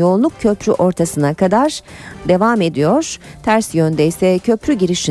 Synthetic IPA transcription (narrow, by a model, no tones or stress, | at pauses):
jonˠuk̚cʰø̞pɾyʔo̞ɾt̪ʰasɯnakad̪aɾd̪e̞vame̞d̪ijo̞ɾ̥t̪ʰæɾsjønd̪ɛjsɛcʰø̞pɾyɟiɾiʃi